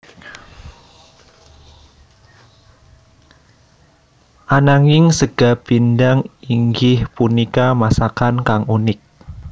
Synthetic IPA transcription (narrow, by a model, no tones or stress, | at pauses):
ʔanaŋɪŋsəɡ̥ab̥indaŋiŋɡɪhpunikamasakankaŋunɪk̚